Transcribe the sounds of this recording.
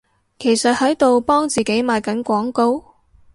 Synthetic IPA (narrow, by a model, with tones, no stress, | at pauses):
kʰe˨˩jsɐ˨t̚hɐ˨˥jt̪o˨wpɔː˥ŋt͡siː˨ke˨˥jmaː˨jkɐ˨˥nkʷɔː˨˥ŋko˥w